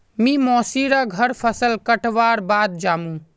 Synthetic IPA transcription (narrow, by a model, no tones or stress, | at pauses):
mĩmɔːsiɾaɡʱəɾpʰəsəlkəʈʋaːɾbaːd̪̚d͡ʒaːmũ